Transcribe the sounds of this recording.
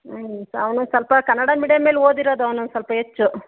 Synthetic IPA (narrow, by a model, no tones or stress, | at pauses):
soɐʋɐnusɐlpɐkɐnːɐɽamiɽijɐmeːloːd̪iɾoːd̪uɐʋɐnusɐlpɐet͡ʃːu